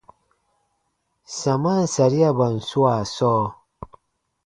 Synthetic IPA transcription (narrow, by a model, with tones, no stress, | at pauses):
sa˨ma˦n˨sa˨ɾi˦ja˦ba˨n̩˨su˦wa˨sɔː˦